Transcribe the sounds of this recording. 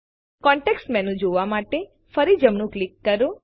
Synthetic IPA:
kɔɳʈeksʈmɛnũd͡ʒoʋamaʈe | fəɾid͡ʒəmnũklikːəɾo

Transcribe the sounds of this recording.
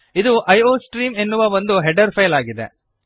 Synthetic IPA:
id̪uʔɐjoːsʈɾiːmenːuʋɐʋond̪uɦɛɖɐɾpʰɐjlaːɡid̪ḛ

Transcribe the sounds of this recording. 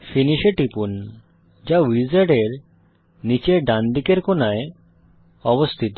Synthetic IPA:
finiʃeʈipun | d͡ʑawizaɖeɾ | nit͡ɕeɖand̪ikeɾkonae | ɔbost̪ʰit̪o

